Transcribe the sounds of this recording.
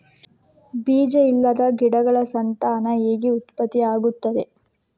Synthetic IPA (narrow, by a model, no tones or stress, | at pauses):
biːd͡ʒɐilːɐd̪ɐɡiɽɐɡɐɭɐsɐnt̪aːnɐeːɡiut̪pɐt̪ːiaːɡut̪ːɐd̪e̞